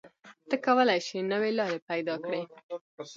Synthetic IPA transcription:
t̪əkawəlajʃinəwelɑɾepajd̪ɑkɽe

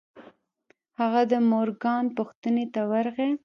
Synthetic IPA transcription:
haɣad̪əmoɾɡɑnpʊxt̪ənet̪awaɾɣe

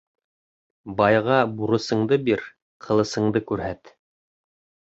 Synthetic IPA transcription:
bɑjʁɑbuɾɤ̆sɤ̆ɴd̪ɤbiɾ | qʰɤ̆lˠɤ̆sɤ̆ɴd̪ɤkʉɾɦæt̪

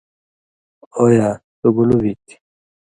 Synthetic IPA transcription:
ojat̪uɡulubit̪i̥

